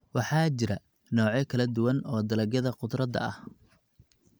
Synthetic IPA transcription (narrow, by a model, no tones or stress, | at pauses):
wɑħɑːt͡ʃɪɾɐ | nɔːʕɛkʰɐlɐd̪ʊwɐnɔːd̪ɐlɐɡjɐðɐqʊd̪rɐd̪ɐ̰ɐh